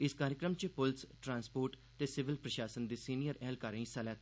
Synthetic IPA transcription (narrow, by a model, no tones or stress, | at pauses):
ɪskaːɾjəkɾəmt͡ʃepʊlsʈɾãːnspoːɾʈ | t̪eːsɪʋɪlpɾəʃaːsənd̪iːsiːnijəɾɛːlkaːɾãĩsalaːt̪ː